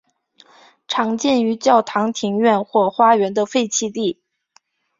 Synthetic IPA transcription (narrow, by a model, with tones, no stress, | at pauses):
ʈ͡ʂʰɑ˧˥ŋt͡ɕjɛ˥˩ny˧˥t͡ɕjɑ˥˩ʊt̪ʰɑ˧˥ŋt̪ʰi˧˥ŋɥɛ˥˧nxwɔ˥˩xwa˥ɥɛ˧˥nd̪ə˧fe˥˧ɪt͡ɕʰi˥˧t̪i˥˩